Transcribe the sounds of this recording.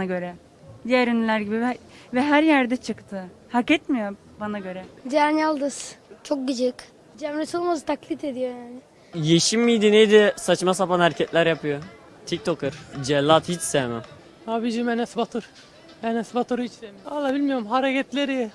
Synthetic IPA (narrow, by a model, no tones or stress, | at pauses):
aɟø̞ɾɛ | d̪ijæɾønylʲæɾɟibivɛɦæɾjæɾd̪ɛt͡ʃʰɯkt̪ʰɯhakɛt̪mijo | banaɟø̞ɾɛd͡ʒænjalˠd̪ɯz̥t͡ʃʰo̞k̚ɟid͡ʒik | d͡ʒɛmɾɛsolˠmazɯt̪ʰaklʲˠit̪ʰe̞d̪ijo̞jaːnɪ | jeʃimːijd̪inejd̪ɛsat͡ʃmasapanhæɾcʰɛt̪lʲæɾjapɯjo | t̪ʰic̚t̪ʰokɯɾd͡ʒɛlʲːat̪hit͡ʃsɛmɪ | abid͡ʒimɛnɛsbat̪ʰuɾ | ɛnɛsbat̪ʰuɾhit͡ʃsɛmijalˠːabilʲmijoɾumɦaɾecɛt̪lʲeɾi